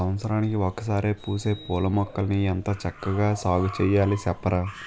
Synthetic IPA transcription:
ɐʋɐt̪sɐɾaːnikiɔkːɐs̬aːɾeːpuːse̞ːpoːlɐmɔkːɐlɐniɛnt̪ɐt͡ʃɐkːɐɡaːsaːɡɐt͡ʃɛːjːaːlisɛpːɐɾɐ

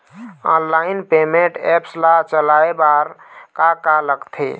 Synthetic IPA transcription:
ɔnlainpemẽɳʈɛpslat͡ʃəlaebaɾkakaləɡt̪ʰḛ

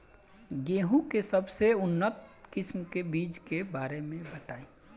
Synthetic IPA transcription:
ɡeːɦũkesəbseʊnːət̪̚kɪsmkebiːd͡ʒkebaːɾemẽbət̪aːĩ

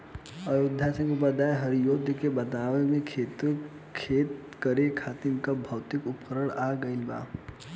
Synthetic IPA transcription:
əjod̪ʱːasə̃ŋkupad̪aːjɦɐɾijoːd̪ʱəkebɐt̪aːʋemẽkʰeːt̪ | kʰeːt̪ | kəɾekʰaːt̪inkabʱɐwt̪ɪkʊpkəɾəɽaɡəɪlba̰ː

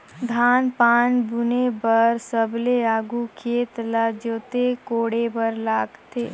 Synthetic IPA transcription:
d̪ʱaːnpaːnbunebəɾsəbleaːɡukʰeːt̪lad͡ʒoːt̪ekoːɽebəɾlaːɡt̪eː

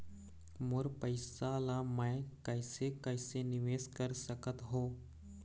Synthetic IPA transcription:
moːɾpəjsalamajkajsekajseniʋeskəɾsəkət̪ɦo

